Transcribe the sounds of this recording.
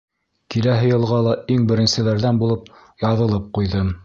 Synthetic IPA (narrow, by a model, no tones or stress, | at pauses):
kilæɦɘ̆jɤ̆lˠʁɑlˠɑiŋbɘ̆ɾɘ̆nsɘ̆læɾðænbulˠɤp̚ | jɑðɤ̆lˠɤp̚qujðɤm